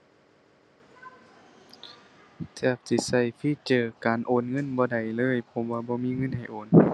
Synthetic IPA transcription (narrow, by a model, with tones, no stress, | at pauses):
tɛː˧˩p̚si˧˩sa˧˩jpʰiː˧˥˨t͡ɕɤː˨˧˩kaː˨nʔoː˨˩˦nŋɤ˧˥˨nbɔː˧˦da˨˩jlɤː˧˥˨jpʰɔ˧mwaː˧bɔː˧˦miː˧˥˨ŋɤ˧˥˨nha˨˩jʔoː˨˦n